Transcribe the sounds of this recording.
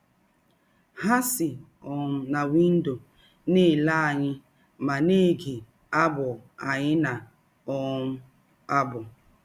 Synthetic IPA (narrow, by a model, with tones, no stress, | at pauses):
ha˦sɪ˨ | ɔ˨m̩˨na˨wi˦n̩˦do˨ | ne˦˨la˦a˨ɲɪ˦ | ma˨ne˦˨ɡe˨ | a˦bʊ˨a˨ɲɪ˦na˨ | ɔ˨m̩˦ | a˦bʊ˨